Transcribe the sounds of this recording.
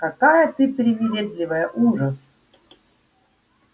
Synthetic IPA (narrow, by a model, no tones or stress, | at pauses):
kakajət̪ɨpɾʲɪmʲɪɾʲed̪lʲɪvəjəʔuʐəs